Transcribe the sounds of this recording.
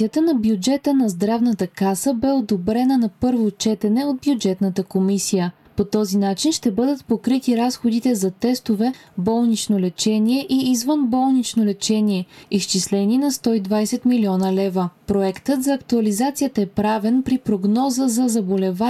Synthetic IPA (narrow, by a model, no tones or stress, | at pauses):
iət̪ənɐbjud͡ʒɛt̪ənɐzd̪ɾavnət̪əkasəbɛod̪obɾɛnənɐpɤɾvot͡ʃɛt̪ɛnɛod̪̚bjud͡ʒɛt̪nət̪əkomisijə | pot̪ɔzinat͡ʃinʃt̪ɛbɤd̪ət̪pokɾit̪iɾasxod̪it̪ɛzɐt̪ɛst̪ovɛbɔlˠnit͡ʃnolɛt͡ʃɛniɛʔiːzvənbɔlˠnit͡ʃnolɛt͡ʃɛniɛist͡ʃislɛninɐst̪ɔid̪vajsɛt̪miliɔnəlɛvəpɾoɛkt̪ət̪zɐːkt̪uɐlizat̪sijət̪əɛpɾavɛnpɾipɾoɡnɔzəzɐzɐbolɛva